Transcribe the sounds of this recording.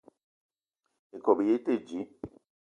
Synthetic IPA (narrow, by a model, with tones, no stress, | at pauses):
e˨kɔ˨be˨je˦te˦˨d͡ʒi˨˦